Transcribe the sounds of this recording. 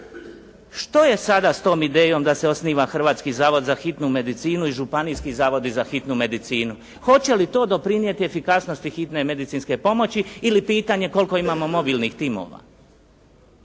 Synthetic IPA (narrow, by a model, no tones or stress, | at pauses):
ʃt̪o̞je̞sad̪ast̪o̞ːmid̪e̞ːjo̞md̪ase̞o̞sniːʋaxr̩ʋaːt̪skizaːʋod̪zaxit̪nume̞d̪it̪siːnuiʒupanijskizaːʋo̞d̪izaxit̪nume̞d̪it̪siːnu | xo̞t͡ɕe̞lit̪o̞ːd̪o̞pɾinje̞t̪iefikasno̞st̪ixit̪ne̞me̞d̪it̪siːnske̞po̞mo̞t͡ɕiilipiːt̪aɲe̞ko̞lko̞imaːmo̞mo̞biːlnixt̪iːmo̰ːʋa̰